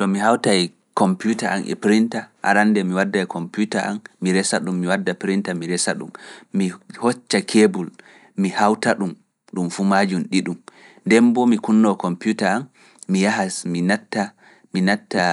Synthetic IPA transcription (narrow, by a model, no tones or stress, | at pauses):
tɔmihawtaj | kɔmputaʔa̰nʔɛ̰pɾintaʔa̰ɾanːdɛmiwadːajkʰɔmputaʔa̰nːiɾɛsaɗumːiwadːapɾintamiɾɛsaɗṵmmihɔt͡ʃːakʰebul | mihawtaɗum | ɗumfumad͡ʒunɗiɗum | ndɛmbɔmikunːɔkɔmputaanː | ijaɦasminatːa | minatːa